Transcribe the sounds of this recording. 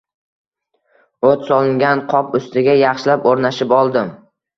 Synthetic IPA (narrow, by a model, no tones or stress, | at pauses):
ot̪sɒlˠɪŋɡʲanqʰɒpʊst̪ɪɡʲajɑχʃɪlapoɾnaʃɪpɒlˠd̪ɪm